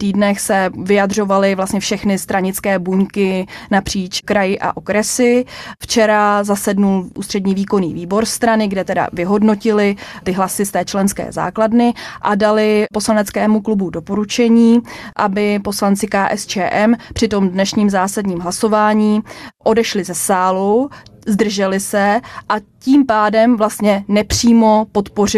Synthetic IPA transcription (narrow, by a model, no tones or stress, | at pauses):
t̪iːdnɛxsɛvɪjadr̝o̞valɪvlast̪ɲɛfʃɛxnɪst̪ɾaɲɪt͡skɛːbuŋkɪnapr̝̥iːt͡ʃkɾajɪʔa̰ʔo̞kɾɛsɪft͡ʃɛɾazasɛdnulʔuːst̪r̥ɛdɲiːviːko̞nḭːviːbo̞ɾst̪ɾanɪɡdɛt̪ɛda̰vɪɦo̞dno̞cɪlɪt̪ɪɦlasɪst̪ɛːt͡ʃlɛnskɛ̰ːza̰ːkladnɪʔadalɪpo̞slanɛt͡skɛːmuklubudo̞po̞ɾut͡ʃɛɲiːʔabɪpo̞slant͡sɪkaːʔɛst͡ʃɛːʔɛmpr̝̥ɪt̪o̞mdnɛʃɲiːmzaːsadɲiːmɦlaso̞vaːɲiːʔo̞dɛʃlɪzɛsaːluzd̪r̩ʒɛlɪsɛʔaciːmpaːdɛmvlast̪ɲɛnɛpr̝̥iːmo̞po̞t̪po̞rɪ